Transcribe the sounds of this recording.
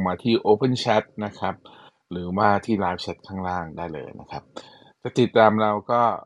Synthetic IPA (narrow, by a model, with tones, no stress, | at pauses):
ŋmaː˧t̪ʰiː˥˩ʔoː˧pɤ˥˩nt͡ɕʰa˦˥t̪̚na˦˥kʰa˦˥p̚ | ɾɯː˩˦waː˥˩t̪ʰiː˥˩laː˦˥jp̚t͡ɕʰa˦˥t̪̚kʰaː˥˩ŋɾaː˥˩ŋdaː˥˩jlɤ̰ː˧jna˦˥kʰa˦˥p̚ | t͡ɕɛ˨˩t̪i˨˩t̪ːaː˧mɾa˧wkɔː˥˩